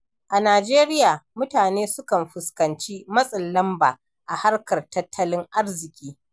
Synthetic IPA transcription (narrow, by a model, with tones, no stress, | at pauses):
ʔa˨naː˨d͡ʒeː˦ɾɪ˦jaː˨mʊ˦taː˨neː˦sʊ˦kɐ˨mɸʊ˨skɐ˨nt͡ʃi˦mɐ˦sʼɐ˨nlɐ˦mbaː˨ | ʔa˨ha˦rkɐ˨rtɐ˦tʰːɐ˦lɪ˦ŋʔa˦rzɪ˨kʲiː˦